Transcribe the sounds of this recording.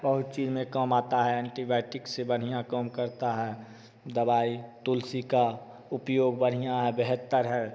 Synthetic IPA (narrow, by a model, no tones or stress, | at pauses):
bəɦʊt̪̚t͡ʃiːzmẽkəmaːt̪aɦɛɛ̃ːɳʈibɛːʈɪksebəɽ̤ijãkəːmkəɾt̪aɦɛː | d̪əbaːit̪ʊlsika | ʊpjoːɡbəɽ̤ijãɦɛbeɦət̪ːəɾɦɛː